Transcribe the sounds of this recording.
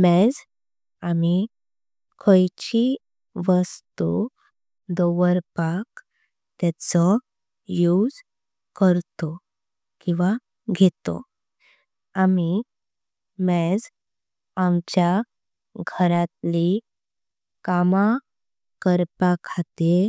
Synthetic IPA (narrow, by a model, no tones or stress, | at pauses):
mɛd͡z | ami | kʰɔjt͡ɕi | ʋəst̪u | d̪ɔʋəɾpak | t̪jat͡sɔ | jud͡z | kəɾt̪ɔ | kĩw̃ʋa | ɡʱet̪ɔ̰ | ami | mɛd͡z | amt͡ɕja | ɡʱəɾat̪li | kama | kəɾpakʰat̪e